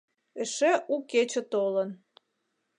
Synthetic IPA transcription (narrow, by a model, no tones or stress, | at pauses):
eʃeʔuket͡ɕə̆t̪olə̆n